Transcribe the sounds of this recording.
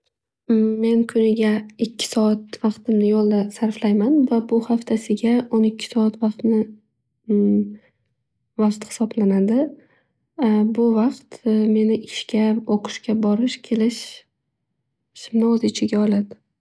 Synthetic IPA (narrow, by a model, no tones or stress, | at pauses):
me̞nkʰʊnɪɡʲaɪkʲʰːɪ̥sɒat̪vɑqt̪ɪmnɪjolˠd̪asaɾflajmanvabʊhaft̪ʰasɪɡʲaonɪkʲʰːɪ̥sɒat̪vɑqt̪nɪ | vɒqt̪hɪ̥sɒblanad̪ɪ | bʊvaqt̪me̞nɪʔɪʃkʲʰaoqʰʊ̥ʃkʲabɒɾɪʃkʲʰe̞lɪʃ | ʃɪmnɪozɪt͡ʃʰɪɡʲaɒlad̪ɪ